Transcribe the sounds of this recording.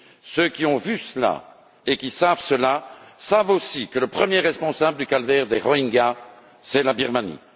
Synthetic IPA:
søkʲiɔ̃vysəla̰ | ekʲisavsəlasavosikələpχəmjeʁɛspɔ̃sabləd̪ykalvɛʁd̪eʁɔiŋɡa | sɛlabiʁmanḭ

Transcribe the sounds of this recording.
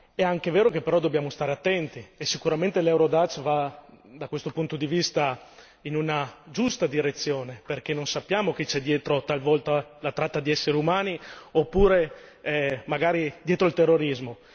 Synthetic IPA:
ɛaŋkeveːɾok̟epːeɾɔd̪objaːmost̪aːɾeat̪ːɛnt̪iesːikuɾament̪elɛwɾod̪at͡ʃvad̪akwest̪opunt̪od̪ivist̪a | inunad͡ʒust̪ad̪iɾet̪sːjoːneperk̟enːonsapːjaːmok̟et͡ʃɛd̪jɛːt̪ɾot̪alvɔlt̪alat̪ɾat̪ːad̪iɛsːeɾeumaːniopːuːɾe | maɡaːɾid̪jɛːt̪ɾoilt̪erːoɾizmo

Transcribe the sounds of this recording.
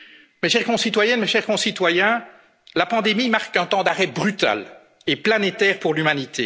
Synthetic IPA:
meʃɛʁkɔ̃sit̪wajɛnmeʃɛʁkɔ̃sit̪wajɛ̃ | lapɑ̃d̪emimaʁkɛ̃t̪ɑ̃d̪aʁɛbʁyt̪a̰l | eplanet̪ɛːʁpuʁlymanit̪ʰe

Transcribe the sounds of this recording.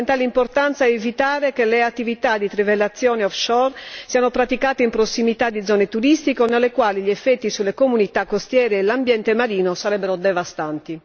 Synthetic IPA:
nt̪alimport̪ant̪saevit̪aːɾekeleat̪ːivit̪ad̪ːit̪ɾivelːat̪sːjɔːneɔfʃɔrsiːanopɾat̪ikaːt̪eimpɾosːimit̪ad̪ːid̪zɔːnet̪uɾist̪ikonelːekwaːliʎiɛfːɛt̪ːisulːekomunit̪akːost̪jɛːɾeːlambjɛnt̪emaɾiːnosaɾɛbːɛɾod̪ɛvast̪ant̪i

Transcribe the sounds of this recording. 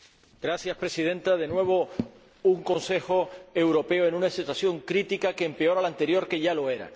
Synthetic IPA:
ɡ̥ɾasjaspɾe̞sið̞ẽ̞nt̪að̞e̞nwe̞β̞o̞ | uŋkõ̞nse̞xo̞e̞wɾo̞pe̞oe̞nũnasit̪wasjo̞ŋkɾit̪ikake̞ːmpeo̞ɾalant̪e̞ɾjo̞ɾke̞ʝalo̞e̞ɾa̰

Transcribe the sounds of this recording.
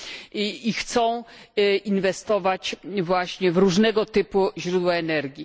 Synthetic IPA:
ixt̪sɔ̃w̃ʔinvɛst̪ɔvat͡ɕvwaɕɲɛvɾuʐnɛɡɔt̪ɘpuʑɾud̪waɛnɛɾɡʲji

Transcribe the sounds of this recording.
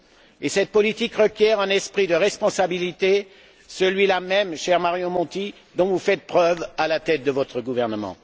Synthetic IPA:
esɛt̪̚pɔlit̪ikʁəkʲjɛʁɛ̃nɛspχid̪əʁɛspɔ̃sabilit̪e | səlɥilamɛmʃɛʁmaʁjomɔ̃t̪i | d̪ɔ̃vufɛt̪̚pχœvalat̪ɛt̪̚d̪əvɔt̪χəɡuvɛʁnəmɑ̰̃

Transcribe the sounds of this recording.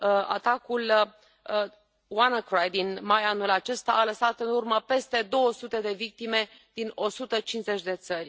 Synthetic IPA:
a̰t̪akul | wanəkɾajd̪inmajanulat͡ʃe̞st̪aʔaləsat̪ɨnurməpe̞st̪e̞d̪o̞wəsut̪e̞d̪e̞vik̚t̪ime̞ | d̪̥ino̞sut̪ət͡ʃinze̞t͡ʃʲd̪e̞t̪sərʲ

